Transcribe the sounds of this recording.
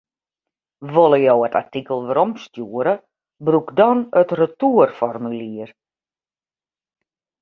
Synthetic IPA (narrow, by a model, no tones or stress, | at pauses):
ʋolˠəjowəta̰rtikəlˠʋəɾomstjuəɾə | brukdɔnətrətuərfɔrmyliər